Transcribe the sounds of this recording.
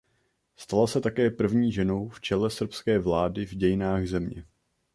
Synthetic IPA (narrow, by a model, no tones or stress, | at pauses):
st̪alasɛt̪akɛːpr̩vɲiːʒɛno̞wft͡ʃɛlɛsr̩pskɛːvlaːdɪvɟɛjɪnaːɣzɛmɲɛ̰